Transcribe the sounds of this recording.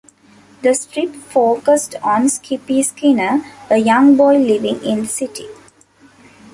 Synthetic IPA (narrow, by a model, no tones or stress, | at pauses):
d̪əsʈɾɪpfoːkəsʈɔ̃ːnskipiskinəəjʌ̃ŋɡbɔɪliʋɪ̃ŋɪ̃nd̪əsɪʈḭ